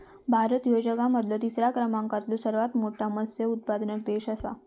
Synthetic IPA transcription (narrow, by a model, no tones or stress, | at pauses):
bʱaɾət̪jod͡ʑəkaməd̪ljot̪isɾakɾəmaŋkat̪lũsəɾʋat̪moʈaməsjəut̪̚pad̪nək̚d̪eɕasa̰